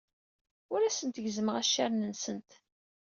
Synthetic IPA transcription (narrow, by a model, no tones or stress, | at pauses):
ʊɾæsənt̪əʝzəməʁæʃːaɾnənsənt̪